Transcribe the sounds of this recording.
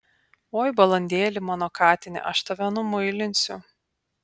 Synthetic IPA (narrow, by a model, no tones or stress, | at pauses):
oːjbɐlˠɐnʲd̪ʲeːlʲɪmɑnɔːkɑːt̪ʲɪnʲɪ̰ʔɐʃt̪ɐʋʲɛnʊmʊɪlʲɪnʲsʲʊ